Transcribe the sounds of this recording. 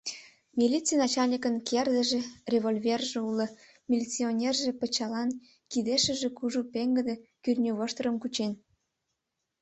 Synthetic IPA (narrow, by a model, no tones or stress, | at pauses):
mʲilʲit͡sijnɑt͡ɕɑlʲnʲikənkʰerd̪ə̆ʒĕrʲevolʲvʲerʒĕulə̆ | mʲilʲit͡sionʲerʒĕpət͡ɕɑlɑn | kid̪eʃə̆ʒĕkuʒupeŋɡə̆d̪ekyrnʲoβoʃt̪əɾəmkut͡ɕen